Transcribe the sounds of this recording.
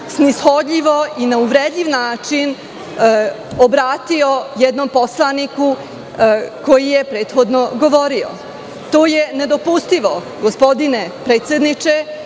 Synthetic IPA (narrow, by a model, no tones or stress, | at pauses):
snisxo̞d̪ʎʲiʋo̞ʔinauʋɾed̪ʎʲiʋnaːt͡ʃin | obɾaːt̪io̞jɛd̪no̞mpo̞slˠaniku | ko̞jijepɾe̞ːt̪xo̞d̪no̞ɡo̞ʋoɾio | t̪o̞ːje̞ne̞d̪o̞pust̪iʋo̞ | ɡospo̞d̪inepɾe̞ːt̪sʲjed̪nit͡ʃe